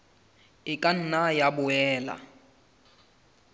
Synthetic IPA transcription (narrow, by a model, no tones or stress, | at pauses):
ɪkʼan̩najabʊɛːla̰